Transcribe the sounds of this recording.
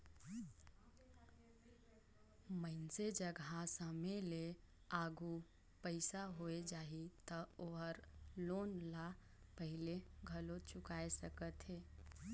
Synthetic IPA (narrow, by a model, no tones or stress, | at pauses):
məɪnsed͡ʒəɡʱãsəmele | aːɡu | pəɪsaɦoed͡ʒaːit̪əoɦəɾloːnla | pəɦɪleɡʱəlot͡ʃʊkaːesəkət̪ɦeː